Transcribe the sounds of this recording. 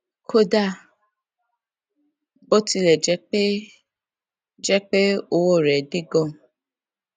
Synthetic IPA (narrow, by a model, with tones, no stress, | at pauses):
kʰo˦da˦˨ | bo˦ti˧lɛ˨d͡ʒɛ˨˦k͡pe˦ | d͡ʒɛ˦k͡pe˦o˧wo˦˨ɾɛ˨di˦ɡɔ̃˦˨